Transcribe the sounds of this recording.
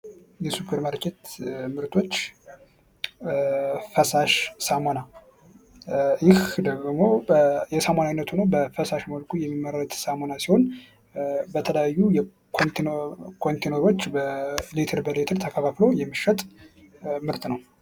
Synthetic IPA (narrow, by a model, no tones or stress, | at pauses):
jɛsupʰeɾməɾkʰet̪mɨɾt̪ʰo̞t͡ʃː | fəsaʃsamona | jɪhd̪əɡmo̞jɛsəmananːət̪ʰunəwbəfəsaʃməlkʰujɛmːimːəɾɾət̪samonasiho̞n | bət̪ʰələjajːujɛ | kʰonkʰont̪ʰenoɾo̞t͡ʃːbəlet̪ʰəɾbəlet̪ʰəɾt̪ʰəkʰəfʰaflo̞jɛmːɨʃːət̪ʼ | mɨɾt̪nəw